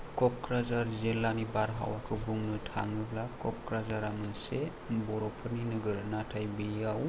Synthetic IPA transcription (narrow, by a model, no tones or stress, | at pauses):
kɔkɾazaɾzelanibaɾɦa̰wakʰɯbuŋnɯtʰa̰ŋɯblakʰɔkɾazaɾamɯnse | bɔɾɔpʰɯɾninɯɡɯɾnatʰajbejaw